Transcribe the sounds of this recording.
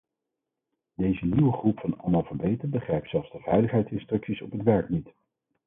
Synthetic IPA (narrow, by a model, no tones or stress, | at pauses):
d̥ejzəniwəχrupfɑnɑ̰lˠmɑːlˠvəɹbejtənbəχrɛjptsɛlˠfzdəv̥ɛjləχɦɛjtsɪnstrɵksisɔpɦətʋɛɹknit